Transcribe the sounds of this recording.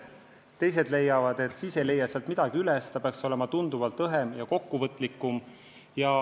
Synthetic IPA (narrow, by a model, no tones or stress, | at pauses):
t̪e̞js̬e̞d̪le̞jːɑvɑd̪e̞t̪ːˑsisele̞jːɑseɑlt̪mid̪̥ɑɡ̥iylɛst̪ɑpeɑkso̞le̞mɑt̪und̪̥uvɑlt̪ɤɦemjɑko̞kːuvɤt̪ːˑlikːˑum | jɑ